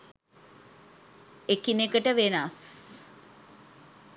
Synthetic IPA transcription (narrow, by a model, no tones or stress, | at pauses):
ekinekəʈəʋenas